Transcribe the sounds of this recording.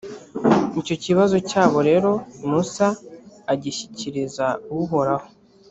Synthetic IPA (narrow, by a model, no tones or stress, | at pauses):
nico̞ciβazo̞caːβo̞ɾe̞ːɾo̞musaːɟiɕiciɾizauuɦo̞ɾaho̞